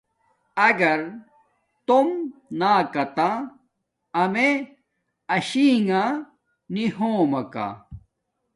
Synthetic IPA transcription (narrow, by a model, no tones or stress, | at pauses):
ɐɡɐɾ | t̪omnaːkɐt̪aː | me | ɐɕiːŋã | nihõːmɐka̰